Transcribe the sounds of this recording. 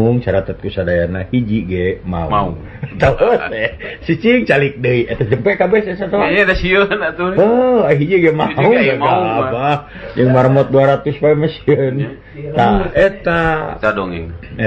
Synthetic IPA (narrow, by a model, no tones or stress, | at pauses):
uŋt͡ʃaɾat̪at̪̚kusadajanahid͡ʒiɡɛma̰ṵŋ | t̪aɔsɛsit͡ʃiŋt͡ʃalik̚dəiʔet̪ad͡ʒəmpɛkabɛsesat̪aadasiənt̪uɔaɦid͡ʒiɡɛmauŋbaɡaːba | d͡ʒəŋmaɾmɔt̪̚duaɾat̪uspamasiən | t̪aɛt̪at͡ʃadɔŋi